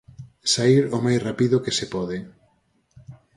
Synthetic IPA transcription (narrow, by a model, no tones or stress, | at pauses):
saiɾomajsrapiðʊkesepɔðɪ